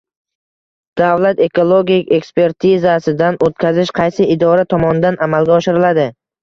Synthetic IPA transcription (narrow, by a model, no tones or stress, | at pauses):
d̪̥avlat̪e̞kʰolˠoɡʲikʲe̞kspe̞ɾt̪ʰɪzasɪd̪anʔot̪̚kʲʰazɪʃqʰɑjsɪɪd̪ɒɾat̪ʰɒmɒnɪd̪anʔamalɡʲaɒʃɪɾɪlad̪ɪ